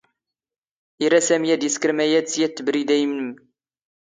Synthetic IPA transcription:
iɾæsæmjæd̪jiskəɾmæjæd̪t͡sːjæt̪ːəbɾid̪æjmnəm

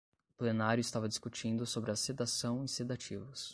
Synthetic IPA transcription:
ʊplenaɾjʊist̪avɐd͡ʒiskut͡ʃĩnd̪ʊsobɾɪɐsed̪asɐ̃w̃ĩsed̪at͡ʃivʊs

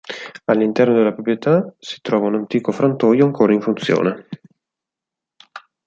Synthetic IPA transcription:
alːint̪ɛrnod̪elapɾopɾjet̪asi̥t̪ɾɔːvaunant̪iːkofɾont̪ɔːjoaŋkʰoːɾaiɱfunt̪sjo̰ːne

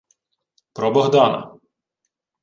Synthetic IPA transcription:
pɾɔbɔɣd̪ɑnɐ̰

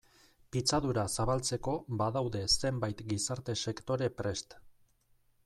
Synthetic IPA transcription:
pit͡saðuɾasaβ̞alt͡se̞ko̞baðawðe̞se̞mbajt̪ɡisaɾt̪e̞se̞kt̪o̞ɾe̞pɾe̞st̪

